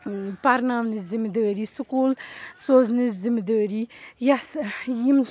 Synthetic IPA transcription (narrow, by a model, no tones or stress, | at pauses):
paɾnaːʋnɨzimd̪əːɾisukuːlsoːznɨzimd̪əːɾijasjim